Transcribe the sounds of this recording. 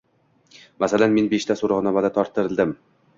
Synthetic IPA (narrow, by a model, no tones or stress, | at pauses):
masalanme̞nbe̞ʃt̪ʰasoɾɒʁnɒmad̪at̪ʰɒɾt̪ʰːɪɾɪlˠd̪ɪm